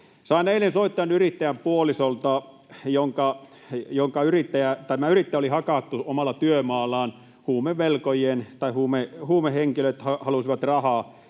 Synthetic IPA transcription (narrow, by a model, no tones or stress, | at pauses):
sɑˑineilːensoit̪ːɑjɑnyrit̪ːæjæmpuolisolt̪ɑ | joŋkɑ | joŋkɑyrit̪ːæjæt̪æmæyrit̪ːæjæolihɑkɑt̪ːuomɑlːˑɑt̪yømɑːlːˑɑːn | huːmeʋʋelkojent̪ɑihuːmehuːmeheŋkiløt̪hɑhɑlusiʋɑt̪rɑhɑː